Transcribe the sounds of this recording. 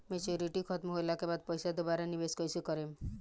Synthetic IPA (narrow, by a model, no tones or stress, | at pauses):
met͡ʃuɾiʈikʰɔt̪mɔɦojlakebad̪̚pɔjsad̪ubaɾanibeskɔjsukɔɾem